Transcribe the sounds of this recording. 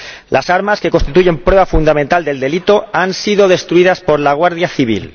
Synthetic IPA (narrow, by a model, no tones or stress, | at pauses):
lʔasaɾmaske̞ko̞nst̪it̪uʝe̞mpɾwe̞β̞afund̪amẽnt̪ald̪e̞ld̪e̞lit̪o̞ansiðo̞ð̞e̞st̪ɾuiðaspo̞ɾlaɣ̞waɾðjaθiβ̞ḭl